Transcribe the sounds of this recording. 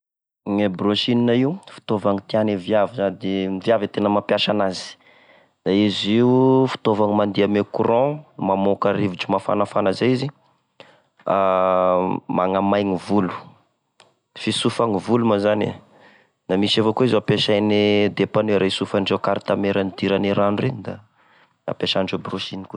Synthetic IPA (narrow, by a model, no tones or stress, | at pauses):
ŋebroʃininaiufi̥t̪ovaŋit̪ianevjavizad̪eiviavit̪enəmapjaʃanazi̥ | d̪aiziufi̥t̪ovaŋimand̪iamekuɾɔ̃mamokaɾiviʈ͡ʂumafa̰nafanazaizi | a | maŋamajŋivulu̥ | fisufaŋivulumazanḭ | namisavokuizeapeʃajned̪epanuɾʔesufanɖ͡ʐewkaɾit̪ameɾanid̪iɾaniɾanureɲd̪a | a̰peʃaɳɖ͡ʐebroʃiniku